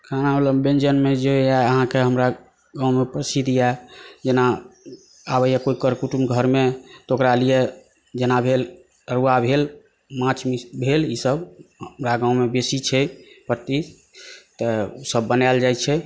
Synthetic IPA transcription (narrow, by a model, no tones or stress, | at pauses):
kʰanamələmbend͡ʒənmed͡ʒeaəɦãkeɦəmɾa | ɡãumepɾəsid̪ʱijad͡ʒena | abəjakoikəɾkuʈumɡʱəɾmet̪okɾalijɛ | d͡ʒenabʱel | ɾuabʱel | mãt͡ʃʰmibʱelisəbɦmɾaɡãumebesit͡ʃʰɛpəɾt̪i | t̪əosəbːənald͡ʒajt͡ʃʰɛ